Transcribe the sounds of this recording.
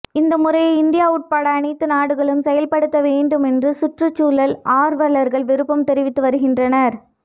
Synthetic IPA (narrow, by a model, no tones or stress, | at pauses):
ɪnd̪ɐmʊrɐjɐɪnd̪ɪjaːʊʈ̚paːɽɐːɳɐɪt̪ːɯnaːɽɯɣɐɭɯmsɛjɐlpɐɽɯt̪ːɐʋeːɳɖɯmɛndrɯsʊʈrɯt͡ʃːuːlɐlaːɾʋɐɭɐɾɣɐɭʋɪɾɯpːɐmt̪ɛɾɪʋɪt̪ːɯʋɐɾɯɣɪndrɐnɐɾ